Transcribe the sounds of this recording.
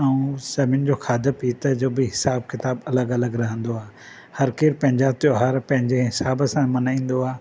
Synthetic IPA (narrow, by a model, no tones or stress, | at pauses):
əũsɐmɪnd͡ʑoːkʰaːd̪əpiːt̪ɐd͡ʑoːbiɦɪsaːbkɪt̪aːbɐləɡɐləɡɾɐɦə̃nd̪oaː | hɐɾkeːɾpɐ̃ɦɪ̃ɲd͡ʑat̪joɦɐɾpɐ̃ɦɪ̃ɲd͡ʑeɦɪsaːbsãmɐnaːĩːn̆d̪oaː